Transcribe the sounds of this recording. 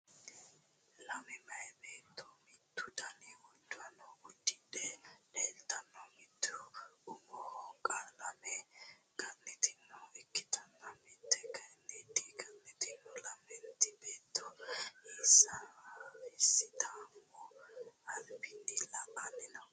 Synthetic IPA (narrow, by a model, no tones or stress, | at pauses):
lɐmɛmɐɛbeːt̪ːɔmɪt̪ːʊd̪ɐniwɔdːʊɐnːɔwʊd̪ːɪd̪ɛleːlt̪ɐnːɔmɪt̪ʰːʊʊmɔhɔkʼalɐmɛɡɐnːɛt̪ɪnːɔɛkːɪ̥t̪ɐnːɐmɪt̪ːɛɡɐnːɛd̪ɪɡɐnːɛt̪ɪnːɔlɐmɛnt̪ːɪbeːt̪ːɔisɐ | ɪsɪt̪amɔɐlpɪnːilɐʔanːɪnɐ